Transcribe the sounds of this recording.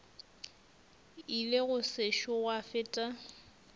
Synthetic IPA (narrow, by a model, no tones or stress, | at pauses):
ileɣʊseʃɔwafɪtʼa